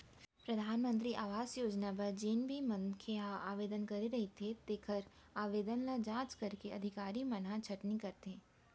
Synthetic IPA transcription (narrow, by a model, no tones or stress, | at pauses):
pɾɐd̪ʱaːnmə̃nt̪̬ɾiʔaːʋaːzjoːd͡ʒnapɐɾd͡ʒiːnbʱimɐ̃ŋkʰeɦaaːʋeːd̪ənkɐɾeɾɐɦet̪ʰet̪eːkʰəɾ | aːʋeːd̪ənlad͡ʒãːt͡ʃkɐɾkeɐd̪ʱɪkaːɾimɐnãt͡ʃʰɐʈnikɐɾt̪ɛ̃ː